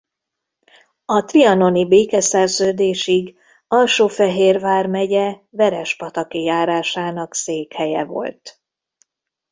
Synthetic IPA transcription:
ɒt̪riɒno̞nibeːkɛsɛrzøːd̪eːʃiɡ | ɒlʃoːfɛɦeːrvaːrmɛɟɛvɛɾɛʃpɒt̪ɒkijaːɾaːʃaːnɒkseːkhɛjɛ̰vo̞̰lt̪

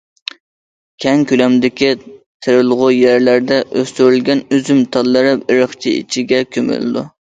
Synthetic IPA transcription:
kʲʰɛŋkʲylɛmd̪ɪkʲit̪ʰɪɾɨlˠʁʊjæɾlæɾd̪ɛʔøst̪yɾylɡʲɛnyzymt̪ʰɑlˠːɨɾɨpɪɾəχt͡ʃʰiḭt͡ʃʰiɡʲɛkʲʰømy̰lɪ̰d̪ṵ

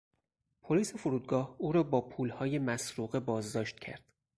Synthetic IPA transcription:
pʰoliːse̞foɾuːd̪̚ɡɒːhuːɾɒːbɒːpʰuːlhɒːje̞mæsɾuːɣe̞bɒːzd̪ɒːʃt̪̚cʰæ̰ɾd̪̥

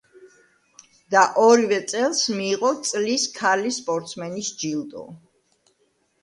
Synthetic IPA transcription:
d̪̥aʔɔɾivɛt̪sʼɛlˠsmiːʁʼɔt̪sʼliskʰalispʼɔɾt̪sʰmɛnisd͡ʒilˠd̪ʼɔ̰

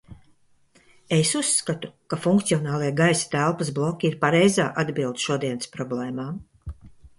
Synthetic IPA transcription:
esusːkat̪ukafuŋk̚t̪siɔnaːlˠiɛɡajsḁt̪ælˠpasblˠɔkʲiiɾpaɾɛjza̰ːʔad̪bʲilˠd̪ʃuɔd̪iɛnspɾɔblɛːmaː

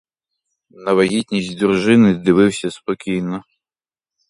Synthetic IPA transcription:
nɐʋɐɦʲit̪ʲnʲisʲtʲd̪urʐɪnɪd̪ɪʋɪwsʲɐspɔkʲijnɔ

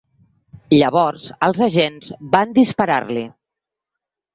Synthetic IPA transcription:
ʎəβɔɾz̥əlˠzəʒenzband̪ispəɾa̰rli

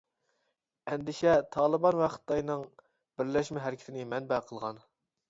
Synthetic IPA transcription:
ɛnd̪ɪʃɛt̪ʰɑːlˠəbɑnwæχə̥t̪ːɑjnɨŋ | b̥ɪɾlɛʃmɛɦæɾɪkʲʰt̪ʰɪnɪmɛnbæqʰəlˠʁɑn

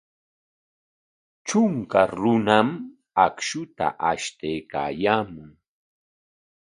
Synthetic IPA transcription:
t͡ʃʊŋkaɾʊnam | akʃʊt̪a̰ʔaʃt̪ejka̰ːjaːmʊŋ

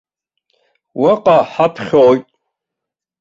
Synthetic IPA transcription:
waqʼaħapʰχʲojtʼ

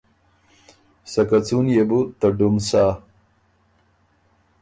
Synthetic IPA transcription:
sɐkat͡sunjebut̪ɐɖumsa

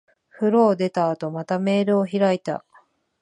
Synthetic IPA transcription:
ɸɯ̟ɾo̞ːd̪e̞t̪aːt̪o̞mat̪ame̞ːɾɯ̟o̞çiɾait̪a̰

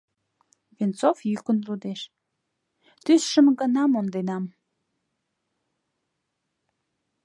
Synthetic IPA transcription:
vint͡sofjykənlud̪eʃ | t̪ysʃəmɡənɑmond̪enɑm

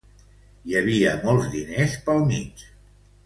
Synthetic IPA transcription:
jəβiəmɔlˠzðinespəlˠmit͡ʃ

